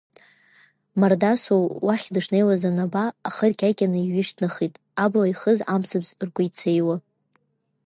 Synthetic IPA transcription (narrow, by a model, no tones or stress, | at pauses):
mardasowwaχʲdɨʂne̞jwazanabaːχərkʲʼajkʲʼanɨiɥɪʃtʰnaχitʼ | ablaiχəzamsɨbzrkʷʼʊjt͡sʰejwa